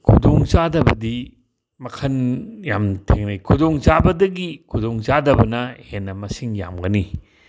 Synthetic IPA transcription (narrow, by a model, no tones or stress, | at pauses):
kʰudoŋzadɐbɐdi | mɐkʰɐnjamtʰeŋnɐjkʰudoŋzabɐdɐɡikʰudoŋzadɐbɐnɐhenːɐmɐsiŋja̰mɡɐni